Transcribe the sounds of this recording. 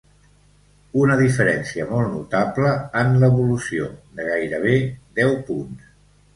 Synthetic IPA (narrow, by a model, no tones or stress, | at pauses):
unəðifəɾɛnsiəmɔlˠtnut̪apləənləβulusio̰d̪əɣajɾəβ̞ed̪ɛwpuns